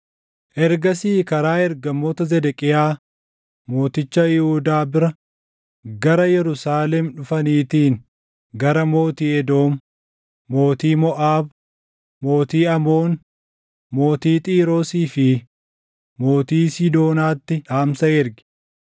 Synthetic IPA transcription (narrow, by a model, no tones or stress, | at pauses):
ʔɛɾɡɐsiːkɐɾaːɛɾɡɐmːoːt̪ɐzɛd̪ɛkʼɪjaː | mo̞ːt̪ɪt͡ʃːɐjɪhuːd̪aːbɪɾɐ | ɡɐɾɐjɛɾʊsaːlɛmᶑʊfɐniːt̪iːŋ | ɡɐɾɐmo̞ːt̪iːɛd̪o̞ːmː | o̞ːt̪iːmɔʔaːb | mo̞ːt̪iːɐmo̞ːn | mo̞ːt̪iːt̪ʼiːɾo̞ːsiːfɪ | mo̞ːt̪iːsɪd̪o̞ːnaːt̪ːɪᶑaːmsɐɛɾɡɪ̥